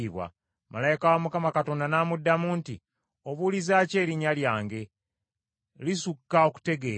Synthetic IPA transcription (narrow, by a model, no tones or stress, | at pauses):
iβwa̰ | malajikawamukamakato̞ːndanaːmudːamuːnti | o̞βulizaːce̞ːɾiɲaljaːŋɡe̞ | lisukːao̞ku̥te̞ɡe̞